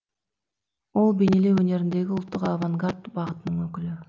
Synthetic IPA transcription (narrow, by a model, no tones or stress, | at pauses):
olˠbenelewɵne̞ɾind̪e̞ɡʲɪʊlˠt̪ːʊqavaŋɡard̪bɑʁət̪ənəɴøkyly